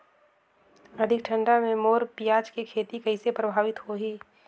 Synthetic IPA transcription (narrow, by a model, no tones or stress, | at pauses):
ɐd̪ʱɪkʈʰɐ̃ɳɖamẽmoːɾpijaːt͡ʃkikʰeːt̪ikɐɪsepɾɐbʱaːʋɪt̪ɦoɦiː